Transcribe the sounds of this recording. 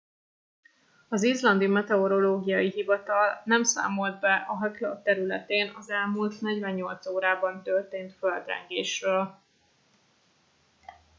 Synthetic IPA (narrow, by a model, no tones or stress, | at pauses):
ɒzizlɒnd̪imɛt̪ɛoɾo̞loːɡijɒjiɦivɒt̪ɒlnɛmsa̰ːmo̞ld̪̚bɛʔɒɦɛklo̰t̪ɛɾylɛ̰t̪eːnɒzɛlmult̪nɛɟvɛɲːo̞lt̪soːɾaːbɒnt̪ørt̪eːnt̪føld̪rɛ̰ŋɡḛːʃrøːl